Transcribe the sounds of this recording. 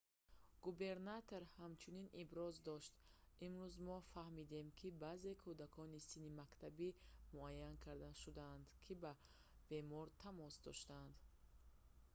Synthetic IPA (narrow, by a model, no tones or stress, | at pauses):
ɡ̥ube̞ɾnat̪ʰo̞ɾhamt͡ʃʰuninʔibɾɔzd̪ɔʃt̪ | imɾuzmɔfahmid̪e̞mkʰibaze̞kʰud̪akʰɔnisinimakt̪ʰabimuajːankʰaɾd̪aʃud̪aːnd̪kʰiba | b̥e̞mɔɾt̪ʰamɔsd̪ɔ̰ʃt̪and̪